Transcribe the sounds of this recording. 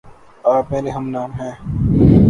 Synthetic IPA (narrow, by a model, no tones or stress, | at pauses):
aːpmɛ̃ːleɦɐmnaːmɦɛ̃ː